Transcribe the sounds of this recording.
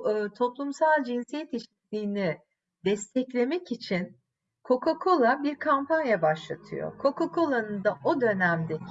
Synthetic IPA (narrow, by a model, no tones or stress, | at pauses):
ɯt̪ʰo̞plˠumsalˠd͡ʒinsijɛt̪iʃi̥t̪lʲiːni | d̪ɛst̪ʰɛclʲe̞mɛcit͡ʃʰin | kʰo̞kokʰo̞lˠabiɾkʰampanjabaʃlˠa̰t̪ʰɯ̰jo̞̰kʰo̞kokʰo̞lˠanɯnd̪aʔo̞d̪ø̞næmd̪e